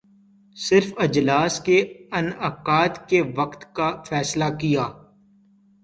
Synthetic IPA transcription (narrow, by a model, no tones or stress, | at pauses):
sɪɾfɐd͡ʒlaːskeɐnɐkaːt̪keʋɐqt̪kafɛːslakijaː